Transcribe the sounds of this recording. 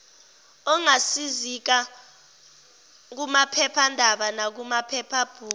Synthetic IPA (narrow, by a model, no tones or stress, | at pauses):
ɔŋasizik̬a | k̬umapʰɛpʰandʱaɓanak̬umapʰɛpʰab̥ʱuː